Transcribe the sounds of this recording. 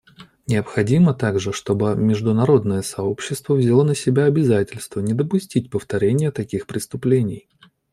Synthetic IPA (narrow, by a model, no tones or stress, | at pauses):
nʲɪəpxɐdʲimət̪aɡʐɨʂt̪o̞bɨmʲɪʐd̪ʊnɐɾo̞d̪nəjəsɐo̞pɕːɪst̪vəvzʲɪlˠonəsʲɪbʲaɐbʲɪzatʲɪlʲst̪vənʲɪd̪əpʊsʲtʲitʲpəft̪ɐɾʲenʲɪjət̪ɐkʲixpɾʲɪst̪ʊplʲenʲɪ̰j